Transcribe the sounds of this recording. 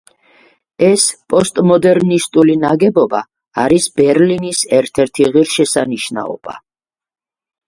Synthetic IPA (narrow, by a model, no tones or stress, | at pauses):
ɛspʼɔst̪ʼmɔd̪ɛɾnist̪ʼulinaɡɛbɔba̰ː | ɾisbɛɾlinisɛɾt̪ʰɛɾt̪ʰiʁiɾʃɛsaniʃna̰ɔ̰b̥a̰